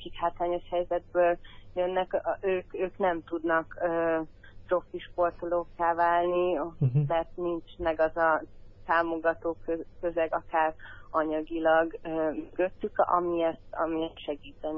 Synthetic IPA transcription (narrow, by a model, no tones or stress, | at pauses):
kikhaːt̪laːɲo̞ʃhɛjzɛd̪̚bøːljønːɛkøːkøːknɛmt̪ud̪nɒkøːp̪ro̞fiʃpo̞rt̪ulokːaːvaːlnimɛt̪nint͡ʃmɛɡɒzɒt̪aːmo̞ɡɒt̪oːkøkøzɛɡɒkaːrɒɲɒɡilɒɡømøɡø̞t̪ːykɒ̰miɛt̪ɒ̰miɛt̪ʃɛɡiːt̪ɛn